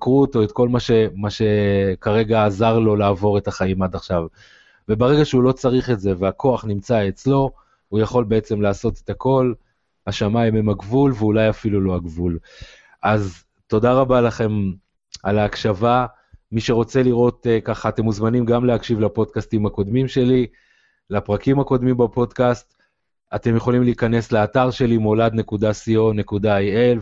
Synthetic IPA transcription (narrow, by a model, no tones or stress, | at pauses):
kʁuoto̞etko̞lmaʃe̞maʃe̞kaʁe̞ɡaːzaʁlo̞laːvo̞ʁe̞taχaimadaχʃav | ve̞baʁe̞ɡaʃeulo̞t͡saʁiχe̞tze̞veakʰo̞aχnimt͡saet͡slo̞ | ujaχo̞lbe̞et͡se̞mlaːso̞tet̪ako̞l | aʃamaimemaɡvulveulajafilulo̞aɡvul | ʔaz | t̪o̞daʁabalaχe̞m | alaːkʃava | miʃe̞ʁo̞t͡se̞liʁo̞tekaχaːte̞muzmanimɡamleakʃivlapo̞dkastimako̞dmimʃe̞li | lapʁakimako̞d̪mimbapo̞dkast̪ | ate̞mjeχo̞limleikane̞sleataʁʃe̞limolad̪ne̞kudasio̞ne̞kudaajel